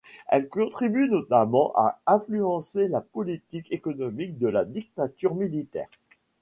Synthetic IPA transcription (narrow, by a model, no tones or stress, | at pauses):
ɛ̰lkɔ̃t̪χibynɔt̪amɑ̃ʔa̰ɛ̃flyɑ̃selapɔlit̪ikekɔnɔmik̚d̪əlad̪ik̚t̪at̪yʁmilit̪ɛ̰ːʁ